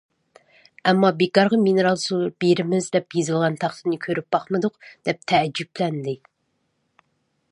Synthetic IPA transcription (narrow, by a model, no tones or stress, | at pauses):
ɛmːɑbekɑɾʁɑminɨɾɑlˠsulˠuɾbeɾɪmɪzd̪ɛpjezɨlˠʁɑnt̪ʰɑχt̪ɨnɨkʲʰøɾyp̚b̥ɑχmɨd̪ʊqd̪̥ɛp̚t̪ʰɛd͡ʒːyplɛnd̪ɪ